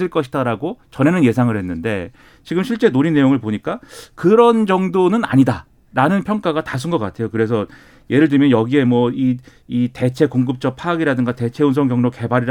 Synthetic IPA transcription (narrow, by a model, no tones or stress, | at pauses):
ɯɭk͈ʌɕʰidaɾaɡot͡ɕʌne̞nɯnje̞sʰaŋɯɭhe̞nːɯnde̞̰ | t͡ɕiɡɯmɕʰiɭt͡ɕ͈e̞noɾinːe̞joŋɯɭpoɲik͈akɯɾʌnd͡ʑʌŋdonɯna̰ɲida | ɾanɯnpʰjʌŋk͈aɣatas̬ʰɯnɡʌk͈atʰe̞jokɯɾe̞sʰʌ | jʔe̞ɾɯɭt̬ɯɭmjʌnjʌɡie̞mwʌi | ite̞t͡ɕʰe̞koŋɡɯp̚t͡ɕ͈ʌk̚pʰaɡiɾadɯŋɡate̞t͡ɕʰe̞uns̬ʰʌŋɡjʌŋnoke̞baɾiɾ